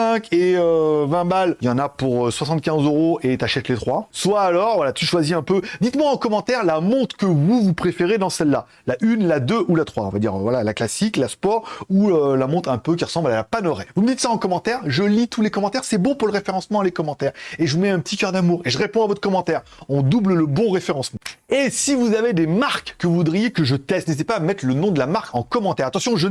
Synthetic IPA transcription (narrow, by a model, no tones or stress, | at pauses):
ɛ̃keøvɛ̃maljɑ̃napuʁøswasɑ̃t̪̚kʲɛ̃zøʁoet̪aʃɛt̪let̪χwaswaːlɔʁvwalat̪yʃwaziɛ̃pød̪it̪mwaɑ̃kɔmɑ̃t̪ɛʁlamɔ̃t̪χkəvuvupχefeʁed̪ɑ̃sɛlːa | laʔynlad̪øʔulat̪χwaɔ̰̃vad̪ḭʁvwalalaklasiklaspɔʁuølamɔ̃t̪χɛ̃pøk̬ʲiʁəsɑ̃blalapanɔʁɛvuməd̪it̪saɑ̃kɔmɑ̃t̪ɛʁʒəlit̪ʰulekɔmɑ̃t̪ɛʁsɛbɔ̃puʁləʁefeʁɑ̃smɑ̃lekɔmɑ̃t̪ɛʁeʒəvumɛɛ̃pət̪ikʲœʁd̪amuːʁeʒəʁepɔ̃avɔt̪χə̥kɔmɑ̃t̪ɛʁɔ̃d̪ublləbɔ̃ʁefeʁɑ̃smɑ̃esivuzaved̪emaʁkːəvud̪ʁijekəʒət̪ɛst̪nezit̪epamɛt̪χlənɔ̃d̪əlamaʁkɑ̃kɔmɑ̃t̪ɛʁat̪ɑ̃sjɔ̃ʒə